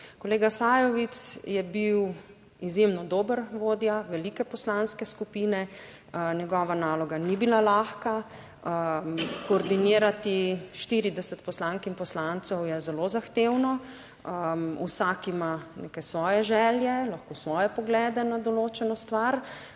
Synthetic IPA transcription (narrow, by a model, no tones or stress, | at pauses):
kɔleːɡasajɔʋit̪sjɛbiw | izjemnɔd̪oːbəɾʋoːd̪jaʋɛliːkɛpɔslanskɛskupinɛ | nɛɡɔːʋanaːlɔɡanibilalaxka | kɔːɾd̪iniːɾat̪iʃt̪iɾid̪ɛsət̪pɔslaŋkimpɔslant̪sɛwjɛzɛlozaxt̪ewnɔ | usakimanekɛsʋɔːjɛʒɛːljɛlaxkoːsʋɔːjɛpɔɡlɛːd̪ɛnad̪ɔloːt͡ʃɛnɔst̪ʋaɾ